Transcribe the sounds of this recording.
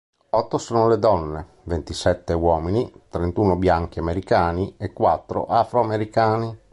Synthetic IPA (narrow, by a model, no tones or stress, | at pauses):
ɔt̪ːosoːnoled̪ɔnːe | vent̪isɛt̪ːewɔːminit̪ɾent̪uːnobjaŋk̟iameɾikaːniekːwat̪ːɾo̰ʔafɾoameɾikaːni